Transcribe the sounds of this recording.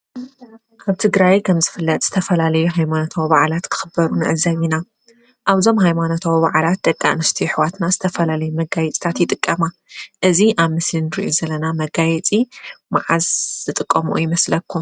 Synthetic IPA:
ʔʰaβt̪ʰɨɡɾajkʰɐmzɨfɨlːɐt̪ʼz̥ɨ̥t̪ʰɐfɐlalɐjuɦajmanot̪ʰawibaʕalat̪kʰɨ̥xɨbːɐɾunɨʔɨzɐβina | ʔaβzo̞mɦajmanot̪ʰawiβaʕlat̪̚d̪ʼɐkʼːa̰nɨst̪ʰiħwat̪nazɨt̪ʰɐfɐlalɐjumɐɡajɛt͡sʼt̪ʰat̪jɪt̪ʼɨkʼːɐma | ʔɨziʔaβmɨslinɨɾɨ̰ʔuzɐlɐnamɐɡajɛt͡sʼimaʕazz̥ɨt̪ʼɨkʼːɐmuʔujɪmɐslɐkʰːu

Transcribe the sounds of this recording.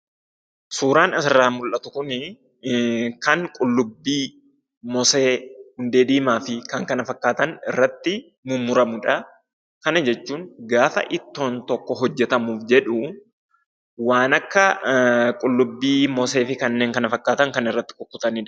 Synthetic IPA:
suːɾaːnɐsɪrːaːmʊlʔɐt̪ʊkʊnɪ | kɐŋkʼʊlːʊbːiː | mɔseːhʊnd̪eːd̪iːmaːfɪkɐŋkɐnɐfɐkːaːt̪ɐnɪ̰rːɐt̪ːɪ | mʊmːʊɾɐmʊᶑɐ | kɐnɐd͡ʒɛt͡ʃːuːŋɡaːfɐ̰ʔɪt̪ːo̞ːnt̪ɔkːɔɦɔd͡ʒːɛt̪ɐmuːfd͡ʒɛᶑʊ | waːnɐkːɐkʼʊlːʊbːiːmɔse̞ːfɪkɐnːe̞ːŋkɐnɐfɐkːaːt̪ɐŋkɐnɪrːɐt̪ːɪ̥kɔkːʊt̪ɐniːᶑɐ

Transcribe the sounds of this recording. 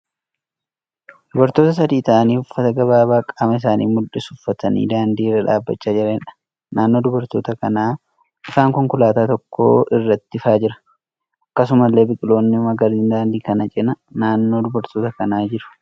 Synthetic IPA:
d̪̥ʊbɐɾt̪oːt̪ɐs̬ɐd̪iːt̪ɐʔɐniːʊfːɐt̪ɐɡɐβaːbaːkʼɐmɐɪs̬aːnḭːmʊᶑɪsʊfːɐt̪ɐnḭːd̪aːnd̪iːrːɐᶑa̰ːbːɐ̰t͡ʃːaːd͡ʒɪɾɐɛᶑɐ̥ | naːnːo̞ːd̪ʊbɐɾt̪o̞ːt̪ɐkɐnaː | ʔɪfaːŋkʊŋkʊlaːt̪aːt̪ɔkːo̰ːɪrːɐt̪ːɪɪfaːd͡ʒɪɾɐ̥ | ʔɐkːɐs̬ʊmɐlːe̞ːbɪkʼɪlo̞ːnːɪʊmɐɡɐɾd̪ɪnd̪aːnd̪iːkɐnɐt͡ʃʼɪnɐ | naːnːo̞ːd̪ʊbɐɾt̪oːt̪ɐkɐnaːd͡ʒɪɾʊ̥

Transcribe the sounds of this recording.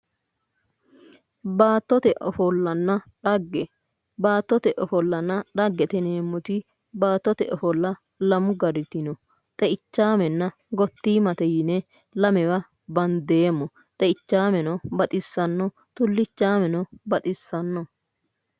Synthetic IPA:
baːt̪ːɔt̪ɛʔɔfɔlːɐnːɐᶑɐɡɛ | baːt̪ːɔt̪ɛʔɔfɔlːɐnːɐᶑɐɡːɛt̪ɛneːmːʊt̪ɪ | baːt̪ːɔt̪ɛʔɔfɔlːɐ | lɐmʊɡɐɾɪt̪ɪnɔ | t̪ʼɛɪt͡ʃːaːmɛnːɐ | ɡɔt̪ːiːmɐt̪ɛjɪnɛ | lɐmɛwɐ | bɐnd̪eːmːɔ | t̪ʼɛɪt͡ʃːaːmɛnɔbɐt̪ʼɪsːɐnːɔ | t̪ʊlːɪt͡ʃːaːmɛnɔbɐt̪ʼɪsːɐnːɔ

